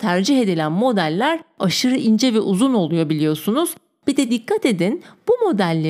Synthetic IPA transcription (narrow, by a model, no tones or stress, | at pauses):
t̪ʰæɾd͡ʒiɦe̞d̪ilʲænmo̞d̪ælʲːæɾaʃɯɾɯʔind͡ʒɛvɛʔuzuno̞lˠujobilʲijo̞sunuz̥ | b̥id̪ɛd̪ikʰːat̪e̞d̪inb̥umo̞d̪ælʲːe